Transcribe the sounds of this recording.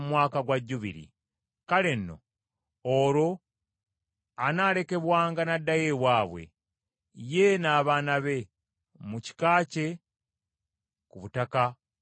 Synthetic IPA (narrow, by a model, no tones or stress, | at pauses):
mwaːkaɡwaɟːuβḭɾḭ | kale̞nːo̞̰ | oɾo̞ | anaːɾe̞ke̞βwaːŋɡanadːaje̞βwaːβwe̞̰ | je̞naːβaːnaβe̞ | muci̥kaːce̞ | kuβutaka